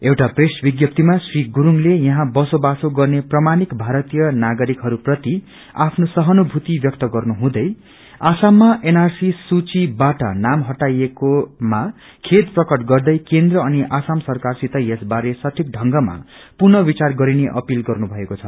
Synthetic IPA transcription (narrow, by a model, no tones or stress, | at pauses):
ewʈapresbiɡjʌp̚t̪imasriɡuɾuŋlejʌɦãbʌsobasoɡʌrneprʌmanikbʱaɾʌt̪ijʌnaɡʌɾikɦʌɾuprʌt̪i | a̰pʰnosʌɦʌnubʱut̪ibjʌk̚t̪ʌɡʌrnuɦũd̪ʌj | asamːaʔenarsisut͡sibaʈʌ̰namɦʌʈajekoma | kʰed̪prʌkʌʈɡʌrd̪ʌjkend̪rʌʌniʔasamsʌrkarsit̪ʌjesbaɾesʌʈʰik̚ɖʱʌŋɡʌma̰ | purnʌbit͡sarɡʌɾineʔʌ̰pilɡʌrnubʱʌekot͡sʰʌ